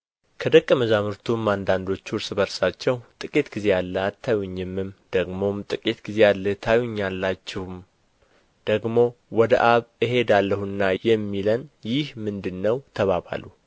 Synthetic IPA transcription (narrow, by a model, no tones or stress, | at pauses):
kʰəd̪əkʼːəməzamɨɾt̪ʰumːand̪and̪o̞t͡ʃːuʊɾsɨbəɾsat͡ʃːɛwt̪ʼɨkʼit̪ɡize̞jalːəat̪ʰːajuɲːɪmːɨmd̪̥əɡmo̞mt̪ʼɨkʼit̪ɡize̞jalːət̪ʰajuɲːalːat͡ʃːɛhum | d̪̥əɡmo̞wɔd̪əʔaβɨɦe̞d̪alːəhuɨnːajɛmːilənjɪhmɨnd̪ɨnːəwt̪ʰəβaβa̰lu